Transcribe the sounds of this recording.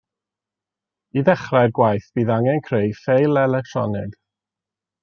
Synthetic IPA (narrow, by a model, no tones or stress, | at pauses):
iðɛχrarɡwajθb̥iːðaŋɛnkʰrejfejlˠɛlɛk̚tʰr̥ɔ̰nɪɡ